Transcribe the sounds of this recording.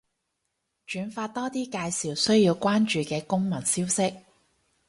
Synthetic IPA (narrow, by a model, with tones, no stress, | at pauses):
t͡ʃyː˨˥nfaː˧t̚t̪ɔː˥t̪iː˥kaː˧jsiː˨wsɵ˥ɥjiː˧wkʷwaː˥nt͡ʃyː˨˧kɛː˧kʊ˥ŋmɐ˨˩nsiː˥wsɪ˥k̚